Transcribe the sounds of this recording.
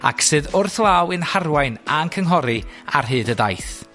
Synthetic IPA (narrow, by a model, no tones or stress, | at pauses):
a̰kʰsɨːðʊrθlˠawɨnharwajnankʰəŋɦɔɾia̰rɦɨːdədajθ